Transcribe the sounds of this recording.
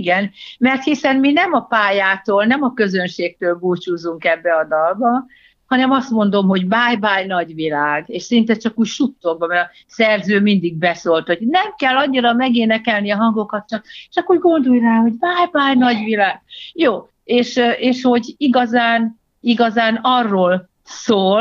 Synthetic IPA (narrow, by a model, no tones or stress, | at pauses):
ɡɛnmɛrt̪hisɛnminɛmɒpaːjaːt̪oːlnɛmɒkø̞zønʃeːk̚t̪øːlbuːt͡ʃuːzuŋkɛbːɛɒd̪ɒlbɒ | hɒnɛmɒst̪mo̞nd̪o̞mɦo̞ɟbaːjbaːjn̪ɒɟʋilaːɡeːʃsɛint̪ɛt͡ʃɒkuːcʃut̪ːoɡ̚bɒmɛɾɒ | sɛrzøːmind̪iɡ̚bɛsoːlt̪ho̞ɟnɛmkɛlːɒɲːiɾɒmɛɡeːnɛkɛlniɒɦɒŋɡo̞kɒt̪t͡ʃɒkeʃɒkːuːrɡo̞nd̪ojraːho̞ɟbaːjbaːjnɒɟʋilaːɡ̚joː | eːʃʔeːʃho̞ɟiɡɒzaːn | iɡɒzaːnɒrːoːl | soːl